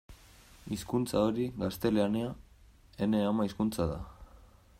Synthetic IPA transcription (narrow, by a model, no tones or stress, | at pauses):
iskunt͡saoɾiɣast̪e̞leanea | e̞ne̞amaiskunt͡saða